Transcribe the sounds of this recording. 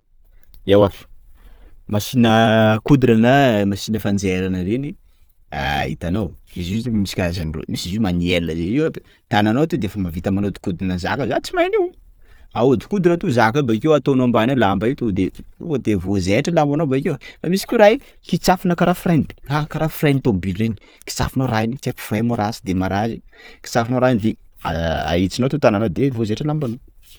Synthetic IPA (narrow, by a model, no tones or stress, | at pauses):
ewafə̥ | masinəkud̪ɾanəmasinəfand͡zeɾanəɾeni | a̰ɦḭt̪anowezit̪emisi̥kʲaazaniro̰misizimanielːəzeiwa | t̪ananowat̪ud̪eefəmavit̪əmanod̪i̥kud̪nəza̰kəzat͡simajniw | aod̪i̥kud̪unat̪uzakəbaikewat̪onoambanelambait̪ud̪eṵd̪evozeʈ͡ʂilambanobaikewfamisi̥kʲeɾaj | kit͡safinəkaɾafrajnd̪akaɾafrajnt̪ombilɾeni̥ | ki̥t͡sa̰finoɾajnit͡ʃepu̥fremuɾasid̪emaɾaziki̥t͡safinoɾajnvia̰a̰it͡sinoat̪ut̪ananod̪evozeʈ͡ʂəlambano